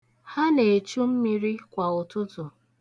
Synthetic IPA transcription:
ha˦ne˨t͡ʃu˦m̩˦mi˦ɾi˦kʷa˨ʊ˨tʊ˦tʊ˨

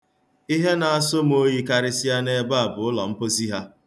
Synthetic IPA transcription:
i˦ɦe˦na˨a˦so˦m̩˦o˦ji˦ka˦ɾɪ˦si˦a˦ne˦ba˦a˨bʊ˨ʊ˦lɔ̰˨m̩˦po˦si˦ɦa˦

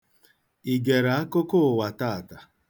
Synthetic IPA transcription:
i˨ɡe˨ɾa˨a˦ko˦ko˦˨wa˨ta˦a˨ta˨

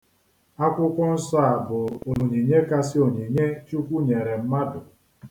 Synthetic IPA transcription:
a˦kʷʊ˦kʷʊ˦n̩˦sɔ˦a˨bʊ˨o˨lo˨ɲe˨ɲe˦ka˦sɪ˦o˨ɲe˨ɲe˦t͡ʃu˦kʷu˦ɲe˨ɾe˨m̩˦ma˦dʊ˨

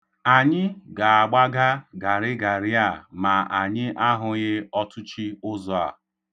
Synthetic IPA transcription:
a˨ɲɪ˦ɡa˨a˨ɡ͡ba˦ɡa˦ɡa˨ɾɪ˦ɡa˨ɾɪ˦a˦˨ma˨ʔa˨ɲɪ˦ʔa˦ɦʊ˦ɣɪ˦ɔ˦tʰʊ˦t͡ʃi˦ʊ˦zɔ˦a̰˨

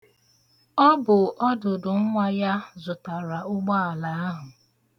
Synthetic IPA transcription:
ɔ˦bʊ˨ɔ˦dʊ˨dʊ˨ŋ̩˦ŋʷa˦ja˦zʊ˨ta˨ɾa˨ʊ˦ɡ͡bɔ˦a˨la˨˦a˦ɦʊ˨

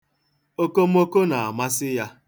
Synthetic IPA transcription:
o˦ko˦m̩˦o˦ko˦na˨a˨ma˦sɪ˦ja˦

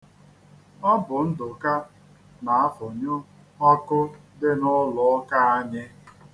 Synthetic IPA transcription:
ɔ˦bʊ˨n̩˦dʊ˨ka˦ | na˨a˦fʊ˨ɲʊ˦ | ɔ˦kʊ˦dɪ˦nʊ˦lʊ˨˦ka˦a˦ɲɪ˦

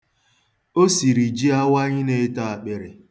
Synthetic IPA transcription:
o˦si˨ɾi˨d͡ʒi˦a˦wa˦ɲɪ˦ne˨˦ta˦a˨k͡pe˨ɾe˨

